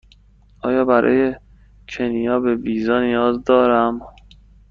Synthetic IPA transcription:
ʔɒːjɒːbæɾʔɒ̰ːje | cʰenijɒːbe̞biːzɒːnijɒːzd̪ɒːɾæm

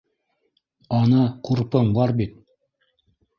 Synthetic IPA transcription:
ɑnɤquɾpɤmbɑɾbit̪̚

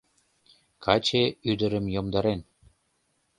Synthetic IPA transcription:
kʰɑt͡ɕeyd̪ə̆ɾə̆mjomd̪ɑɾen

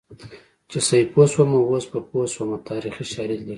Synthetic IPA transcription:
t͡ʃesajposwamawosbaposwamat̪ɑɾixiʃɑɾilli

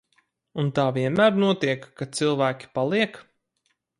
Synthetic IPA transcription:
unt̪aːviɛnmæːɾnuɔt̪iɛkːat̪silˠvæːkʲi̥palˠiɛk

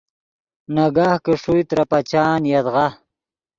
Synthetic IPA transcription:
naɡaːhkeʂujt̪ɾapat͡ɕaːnjad̪ʁa

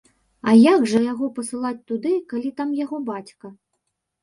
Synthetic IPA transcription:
ɐjaɡʐɐjaɣɔpɐsɨlˠat͡sʲt̪ud̪ɨkalʲit̪amjaɣɔbat͡sʲkɐ

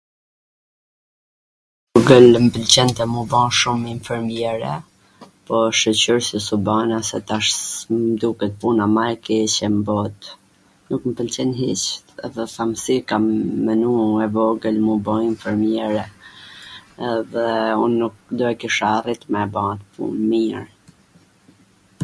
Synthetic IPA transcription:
ɔɡəlmpəlt͡ɕɛnt̪ɛmubɔ̃ʃuminfɛɾmjɛɾɛ̰ | pɔʃət͡ɕuɾsəsubanasɛt̪aʃmd̪ukɛt̪̚punamakit͡ɕɛmbɔt̪ | nukməpəlt͡ɕɛnɦit͡ʃt̪ɛ̰ðɛθamsikamːənuɛvɔɡəlmubɔ̃iɱfɛɾmjɛɾɛ | ɛðɛunːuk̚d̪uɛkiʃarit̪mɛbãt̪pṵnmiɾ

